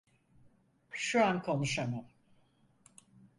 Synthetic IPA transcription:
ʃuɾankʰo̞nuʃamam

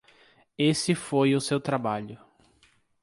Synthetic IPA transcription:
esɪfojʊsewt̪ɾabaʎʊ

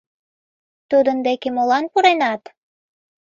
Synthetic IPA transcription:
t̪ud̪ɤ̆nd̪ekemolˠɑnpuɾenɑt̪

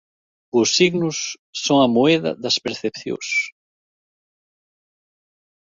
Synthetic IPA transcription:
ʊsiɣnʊsː | oŋɐmoɛðɐ̰ðɐspeɾθepθjo̰s

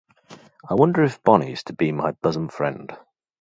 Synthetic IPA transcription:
aɪwʌ̃ndəɹɪfb̥ɒniz̥tʰəbimaɪb̥ʌzə̃nfɹɛ̰̃nd̥

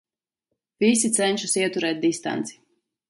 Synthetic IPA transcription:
visit̪sɛnʲʃusiɛt̪uɾɛːt̪̚d̪ist̪a̰nt̪si̥

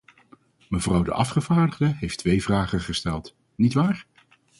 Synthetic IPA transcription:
məvrʌwdə̰ʔɑfχəv̥aːɹdəχdəɦejftʋejvraːχəχəstɛlˠt | nitʋaːɹ

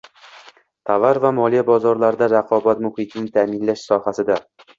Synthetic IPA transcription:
t̪ʰavaɾvamɒlijabɒzɒɾlaɾd̪aɾaqʰɒbat̪mʊhɪt̪ʰɪnɪt̪ʰamɪnlaʃsɒhasɪd̪a

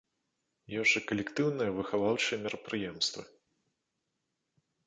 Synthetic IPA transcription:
jɔʐɨkɐlʲɛkt̪ɨwnɨjɐvɨxavawt͡ʂɨɛmʲɛɾɐpɾɨjɛmst̪vɨ̰

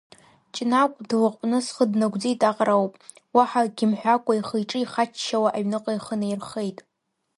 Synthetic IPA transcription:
t͡ʃʼnakʷʼdlɨqʼpʼnɨsχədnaɡʷd͡zijtʼaqʼrawpʼ | waħaɡʲɪmħʷᶣakʷʼaiχejʈ͡ʂʼɨiχat͡ʃʰːawaʔaɥnɨqʼajχənairχejtʼ

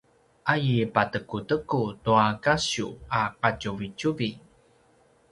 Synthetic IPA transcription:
ʔajipatəkutəkutuakaɕuaqacuvit͡ɕuvi

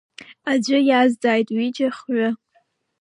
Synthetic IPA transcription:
ad͡ʒʷɨjazdaːjtʼwid͡ʒʼaχʕʊ

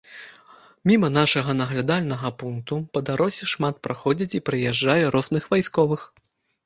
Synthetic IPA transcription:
mʲimɐnaʂɐɣɐnɐɣlʲad̪alʲnɐɣɐpunk̚t̪upɐd̪aɾɔsʲɛʂmat̪̚pɾaxɔd͡zʲɐt͡sʲipɾɨjɛʐd͡ʐajɛɾɔznɨxvajskɔvɨx

